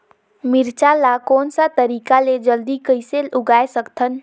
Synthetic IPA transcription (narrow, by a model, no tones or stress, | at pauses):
miɾt͡ʃalakoːnsat̪əɾikaled͡ʒəld̪ikəjseluɡaesəkt̪ʰən